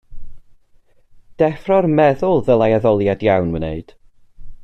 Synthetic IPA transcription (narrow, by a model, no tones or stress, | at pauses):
d̥ɛfrɔrmɛðʊlˠðəlˠajaðɔlˠjadjawnwənḛɨd̥